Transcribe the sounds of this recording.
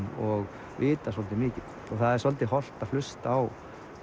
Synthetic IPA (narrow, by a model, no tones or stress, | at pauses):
ɔɣ | vɪːt̪asɔlt̪ɪmɪːcɪð | ɔɣθaðɛɾ̥sɔlt̪ɪɦɔl̥t̪aðflʏst̪aːw